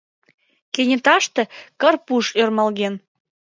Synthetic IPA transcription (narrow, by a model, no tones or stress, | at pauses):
kenʲĕt̪ɑʃt̪ĕkərpuʃørmɑlɣen